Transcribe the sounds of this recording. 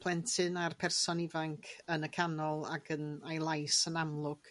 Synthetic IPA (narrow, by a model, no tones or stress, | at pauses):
pʰl̥ˠɛntʰɨnarpʰɛrsɔnivaŋkʰənəkʰanɔlˠaɡənajlˠajsənamlˠʊɡ̥